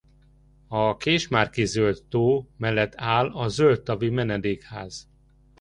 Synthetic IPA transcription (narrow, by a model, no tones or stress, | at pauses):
ɒkeːʃmaːrkizølt̪ːoːmɛlːɛt̪ːaːlɒzølt̪ːɒvimɛnɛd̪eːkhaːz̥